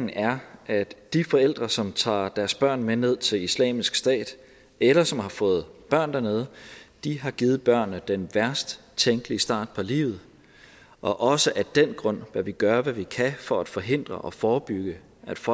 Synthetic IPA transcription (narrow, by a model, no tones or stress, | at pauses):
æɐʔæd̥ifɒ̽el̰d̥ʁɐsɒ̽mt͡sʰɑ̰̈ːd̥æɐsb̥ɶɐ̰nmene̝ð̰ˠt͡sʰe̝lislɛ̰ːmisɡ̥sd̥ɛ̰ːd̥ | elɐsɒ̽mhɑ̈fɔ̽ːð̞̩ˠb̥ɶɐ̰nd̥æɐne̝ð̞ˠd̥iɦɑ̈ɡ̥iːð̩ˠb̥ɶɐ̰nːəd̥enʋæɐsd̥ | t͡sʰeŋɡ̥liəsd̥ɑ̰̈ːd̥̚pʰɒ̽lḭːʊð̩ˠ | ʔɒ̽ʔɒ̽səʔæd̥en̰ɡ̥ʁɔ̽n̰ʋæʋiɡ̥ɶɐʋæʋikʰæfɒ̽æd̥fɒ̽ɦe̝n̰d̥ʁɐʔɒ̽fɒːb̥yɡ̥ə | æd̥f